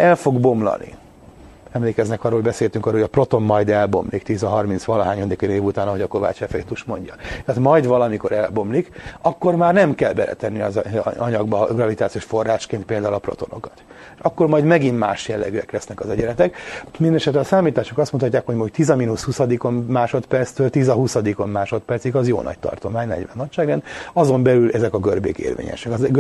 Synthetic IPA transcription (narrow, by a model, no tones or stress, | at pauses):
ɛlfo̞ɡbo̞mlɒ̰nḭ | ɛmleːkɛznɛkɒroːoɟbɛseːlt̪yŋkɒroːojɒpro̞t̪o̞mːɒjd̪ɛlbo̞̰mlikt̪iːzɒɦɒrmint̪sʋɒlɒɦaːɲod̪ikeneːvut̪aːnɒɦo̞ɟɒko̞va̰ːt͡ʃɛfɛḛt̪uʃmo̞ɲɟɒt̪ɛaːt̪mɒjd̪ʋɒlɒmiko̞ɾɛlbo̞mlikɒkːo̞rmaːrnɛmkɛlbɛ̰lɛ̰t̪ɛnːiɒzɒɲɒɡbɒɡrɒvit̪aːt̪sijoːʃfo̞rːaːʃkeːnt̪̚peːld̪aːulɒpro̞̰t̪o̞no̞̰kɒ̥t̪ː | ʃɒkːo̞rmɒjd̪mɛɡimma̰ːʃjɛlːɛ̰ɡyɛklɛsnɛkɒzɛɟɛɾɛt̪ɛkmind̪ɛnɛʃɛt̪lɛɒsaːmiːt̪aːʃokɒst̪munt̪ʰɒcːaːkhoɟmoct̪izɒminushusɒd̪iko̞nmaːʃo̞t̪pɛrt̪st̪øːlt̪izɒɦusɒd̪iko̞mːaːʃo̞t̪pɛrt̪siɡɒzjo̰ːnɒ̰c̚t̪ɒ̰rt̪o̞maːɲnɛ̰ɟʋɛ̰nːɒcʃaːɡɛnɒzo̞mbɛlylʔɛzɛkɒɡørbḛːkḛːrvḛːɲɛ̰ʃɛk